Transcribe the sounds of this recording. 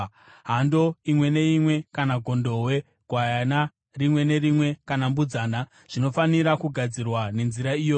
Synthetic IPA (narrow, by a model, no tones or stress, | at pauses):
ɦando̞imwe̞ne̞imwe̞kanaɡʱo̞ndo̞we̞ | ɡ̥ʱwajana | rimwe̞ne̞ɾimwe̞kanambud͡zaːna | ʐ̥ino̞faniɾakuɡʱad͡zirwane̞nziɾaijoj